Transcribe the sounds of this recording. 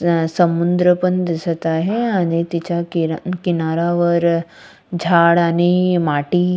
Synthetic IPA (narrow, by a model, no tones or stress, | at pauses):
səmund̪ɾəpənd̪ɪsət̪aɦeaːnit̪it͡ɕakkinaɾaʋəɾ | d͡ʑʱaːɽaːnimaːʈi